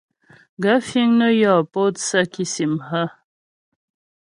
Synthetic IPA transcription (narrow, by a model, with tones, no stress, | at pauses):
ɡa˦fi˦ŋnə˦jɔ˨po˦t̪sa˦ki˦si˨mhə˦